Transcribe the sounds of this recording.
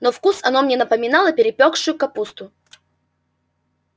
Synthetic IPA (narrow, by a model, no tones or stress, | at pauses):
nofkusɐnomnʲenəpəmʲɪnalˠəpʲɪɾʲɪpʲokʂʊjʊkɐpust̪ʊ